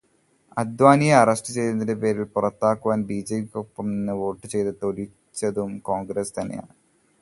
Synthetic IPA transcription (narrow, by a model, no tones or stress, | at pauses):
ɐd̪ʋaːnijɐɐrɐsʈɨt͡ɕe̞jt̪unːɐindepe̞ːɾilpurɐt̪ːaːkːuʋaːnbiːd͡ʑeikok̚pːɐmnɨʋo̞ːʈːɨt͡ɕe̞jt̪ɨt̪o̞ɾi | t͡ɕːɐðumkoːŋɡɾest̪ɐnːeja̰ːɳɨ